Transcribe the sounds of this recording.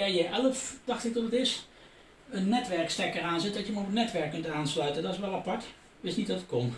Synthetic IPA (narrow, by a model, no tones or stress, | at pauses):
aːjəʔɛləfd̥ɑxtɪk̚tɔnətɪs | ənːɛtʋɛɹkstɛkəɹaːnzɪt̚dɑtjəmɔpətnɛtʋɛɹkːɵntaːnslœɥtəndɑtɪsʋɛlˠapɑɹt | ʋɪstnitdɑtət̚kon